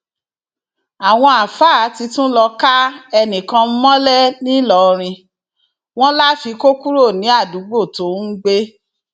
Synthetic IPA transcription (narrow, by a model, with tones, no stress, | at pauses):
a˨w̃ɔ̃˧a˨faː˦˨˦ti˧tũ˦lɔ˧ka˦ɛ˧nĩ˨kã˧m̩˦mɔ̃˦lɛ˦nĩ˦lɔ˦˨ɾ̃ĩ˧ | w̃ɔ̃˦la˦fi˧ko˦ku˦ɾo˦˨nĩ˨˦a˦˨du˨˦ɡ͡bo˦˨to˨˦ŋ̩˦ɡ͡be˦